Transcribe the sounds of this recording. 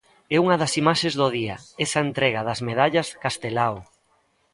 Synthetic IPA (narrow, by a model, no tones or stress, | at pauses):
ɛuŋɐðɐsimaʃẽzðoð̞iɐɛsɐent̪ɾɛɣɐðɐzmeðaʎɐskast̪elaw